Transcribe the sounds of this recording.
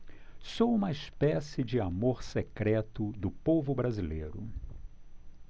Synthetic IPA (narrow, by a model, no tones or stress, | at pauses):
sowũmɐispɛsɪd͡ʒɪamoɾsekɾɛt̪ʊd̪ʊpovʊbɾazilḛjɾʊ̰